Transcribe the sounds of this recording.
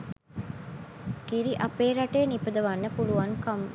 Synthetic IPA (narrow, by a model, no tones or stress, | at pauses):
kiɾiʔɐpeːɾɐʈeːnipəd̪ɐʋɐnːəpuluʋɐŋkɐm